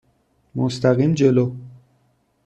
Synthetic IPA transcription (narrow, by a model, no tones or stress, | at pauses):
most̪ʰæɣiːmd͡ʒelo